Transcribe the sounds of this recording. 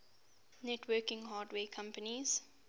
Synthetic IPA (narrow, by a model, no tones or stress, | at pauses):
nɛtʰwɜːkɪ̃ŋɦaːdweːkʰãmpəniz̥